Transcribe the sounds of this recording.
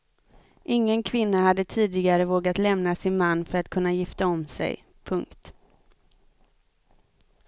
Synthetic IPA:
ʔɪŋːənkʰvɪnːahad̪ːət̪ʰiːd̪ɪɡaɾəvoːɡat̪lɛmnasɪnmanːfœɾat̪kʰɵnːajɪft̪aɔmsɛ̰j | pʰɵŋkt̪

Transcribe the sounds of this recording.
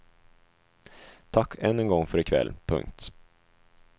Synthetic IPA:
t̪ʰakʰːɛnːɛnɡɔŋːfœɾɪkʰvɛ̰lːpʰɵ̰ŋk̚t̪

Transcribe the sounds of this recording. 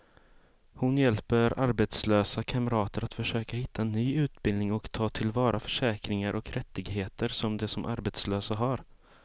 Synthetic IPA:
hʊnjɛlpəɾaɾbɛt̪sløːsakʰaməɾɑːt̪əɾat̪fœʂøːkahɪt̪ːaɛnːyːʉ̟ːt̪bɪlnɪŋɔkt̪ʰɑːt̪ʰɪlvɑːɾʔafœʂɛːkɾɪŋaɾʔɔkɾʔɛt̪ːɪɡɦeːt̪əɾsɔmd̪ɛsɔmʔa̰ɾbɛt̪sløːsaɦaɾ

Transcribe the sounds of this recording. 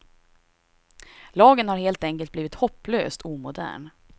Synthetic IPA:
lɑːɡənhaɾheːlt̪ɛŋkəlt̪̚bliːvɪt̪hɔpːlø̰ːst̪ʰuːmʊd̪æ̰ːɳ

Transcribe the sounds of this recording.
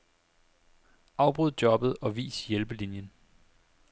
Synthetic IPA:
ɑ̈ʊb̥ʁuð̞̰ˠdjɒ̽b̥ð̩ˠɒ̽ʋḭːsjelb̥əlinjən

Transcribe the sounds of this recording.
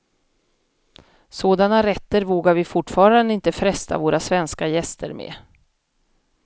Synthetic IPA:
soːd̪anaɾɛt̪ːəɾvoːɡaɾvɪfʊʈfɑːɾand̪əɪnt̪əfɾɛst̪a̰voːɾasvɛnskajɛst̪ʰə̰ɾmḛː

